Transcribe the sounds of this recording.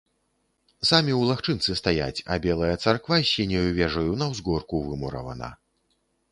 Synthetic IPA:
samʲiwlˠaxt͡ʂɨnt̪sɨst̪aja̰t͡sʲɐ̰bʲɛlˠɐjɐt̪sarkvasʲinʲɐjuvʲɛʐɐjunɐwzɡɔrkuvɨmuɾɐ̰vɐ̰nɐ̰

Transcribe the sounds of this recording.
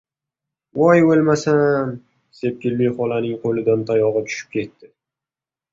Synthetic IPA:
wɒjolmasam | se̞p̚kʲɪlmijχɒlanɪŋqʰolɪd̪ant̪ʰajɒʁɨt͡ʃ̪ʰʊ̥ʃɪ̥p̚kʲʰe̞t̪ːɪ

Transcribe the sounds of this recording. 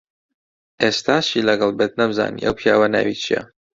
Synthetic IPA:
ʔest̪aːʃilɐɡɐlˠbet̪̚nɐbza̰ːnḭʔɐwpʰjaːwɐna̰wit͡ʃʰijɐ̰

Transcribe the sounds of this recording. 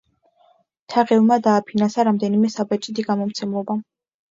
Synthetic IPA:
t̪ʰaʁɛvmad̪aːpʰinansaɾamd̪ɛnimɛsabat͡ʃʼid̪iɡamɔmt̪sʰɛmlˠɔba

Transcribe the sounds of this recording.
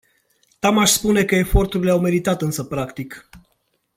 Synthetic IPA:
t̪amaʃspune̞kəe̞fo̞rt̪uɾileawme̞ɾit̪at̪ɨnsəpɾakt̪ik

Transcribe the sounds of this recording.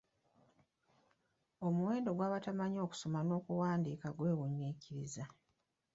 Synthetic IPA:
omuwe̞ːndo̞ɡwaːβatamaɲo̞ːku̥so̞mano̞ːkuwaːndikaɡwe̞ːwuɲːiːciɾiza

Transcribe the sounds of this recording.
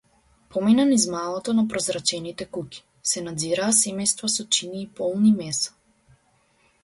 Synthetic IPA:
pɔmɛnanizmalˠɔt̪ɔnapɾɔzɾat͡ʃɛnit̪ɛkuki̥ | sɛnad̪ziɾaːsɛmɛjst̪vasɔt͡ʃiniːpɔlˠnimɛsḁ

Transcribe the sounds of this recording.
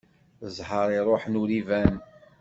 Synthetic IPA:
zˤhəɾˤiɾˤoħnuɾivæn

